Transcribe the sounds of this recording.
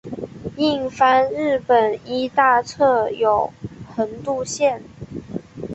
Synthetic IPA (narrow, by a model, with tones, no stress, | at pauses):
i˥˩ŋfa˥nɻ̩˥˩pə˨˩ni˥t̪a˥˧t͡sʰɤ˥˩jo˨˩ʊhə˧˥nt̪u˥˧ɕjɛ˥˩n